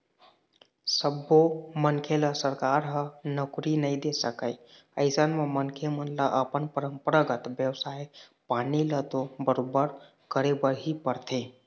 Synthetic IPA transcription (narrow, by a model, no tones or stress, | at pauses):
səbːomənkʰeləsəɾkaɾɦənəkɾinəid̪esəkəj | əɪsənmemənkʰemənləʔəpənpəɾəmpəɾəɡət̪bjəwsaepanilət̪obəɾobəɾ | kəɾebəɾɦipəɾt̪ʰe